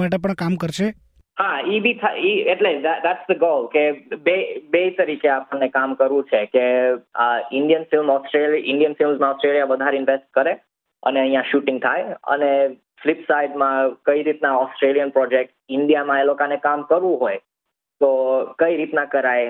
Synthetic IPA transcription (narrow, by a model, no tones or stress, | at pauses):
aʈep̬əɳkamkəɾʃʰe | haibit̪ʰaiɛʈlisd̪ad̪æʈsd̪əɡolkebebet̪əɾikeapəɳnːekamkəɾʋũt͡ʃʰekeaɪɳɖijənfɪlmɔsʈɾelɪ̃ɳɖijənfɪlmzmãɔsʈɾeljaʋəd̪ʱaɾeɪnʋesʈ̚kəɾe | ə̰neə̃ɦĩjãʃuʈɪ̃ŋɡ̚t̪ʰajə̰ne | flɪpsaiɖmãkəiɾit̪naɔsʈɾelijənpɾɔd͡ʒek̚ʈɪɳɖijamãelokanekamkəɾʋũɦoj | t̪okəiɾit̪nakəɾaj